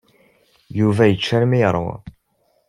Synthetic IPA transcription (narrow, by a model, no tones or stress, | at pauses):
juvæjət͡ʃːæɾmijɾ̰ˤ